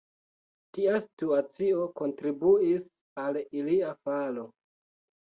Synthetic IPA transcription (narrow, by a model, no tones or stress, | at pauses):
tiasi̥tuat͡sio̞ko̞ntɾibuis | aliliafalo̞